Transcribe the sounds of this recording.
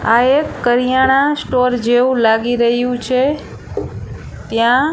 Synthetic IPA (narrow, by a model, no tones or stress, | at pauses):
aekːəɾijaɽ̃ãsʈoɾd͡ʒeʋũlaɡiɾəɦjũt͡ʃʰe | t̪jã